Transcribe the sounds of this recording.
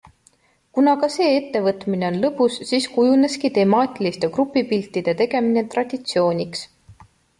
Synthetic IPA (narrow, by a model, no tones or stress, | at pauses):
kunɑkɑse̞ːe̞t̪ːe̞vɤt̪mine̞o̞nlɤpusːiːskujune̞skit̪e̞mɑːt̪ʲilist̪e̞krupːˑipilt̪ːid̪̥e̞t̪e̞ɡe̞mine̞t̪rɑd̪̥ʲit̪sio̞ːnʲiks